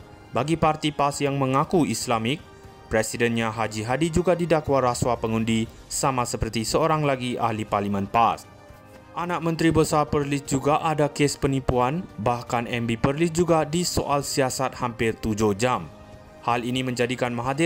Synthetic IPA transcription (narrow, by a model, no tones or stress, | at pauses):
baɡipart̪ipasjaŋmə̃ŋakuislamɪk̚ | pɾɛsidɛnɲãɦad͡ʒiɦadid͡ʒuɡadidakwaɾaswapəŋũndi | samãsəpərt̪isəoɾaŋlaɡia̰hliparlimə̃npas | ʔanak̚mə̃nt̪ɾibəsarpərlisd͡ʒuɡaʔadakespənipuanbahkanɛmbipərlis̚d͡ʒuɡadiso̰ʔalsiasat̪̚hampɪrt̪ud͡ʒʊhd͡ʒam | halinimə̃ɲd͡ʒadikanmãɦadɪ